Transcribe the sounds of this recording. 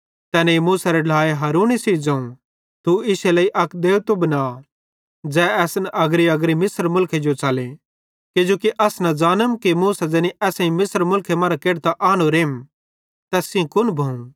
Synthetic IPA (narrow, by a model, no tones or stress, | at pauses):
t̪ɛːneimuːsaɾɛɖlaːeɦaːɾuːnisiːd͡zãːũ | t̪uɪselɐiʔɐkd̪eːut̪obnaː | d͡zɛːɛːsnʔɐɡɾiɐɡɾimɪsəɾmʊlkʰed͡ʒot͡ʃaːlẽ | kɪd͡ʒoːkiʔɐsnɐd͡ʒaːnəmkimuːsad͡zɛːniʔɛːsãĩmɪsɾmʊlkʰemãːɾakeːɽt̪aʔaːñoɾeːm | t̪ɛːsĩkʊnbʱɐũ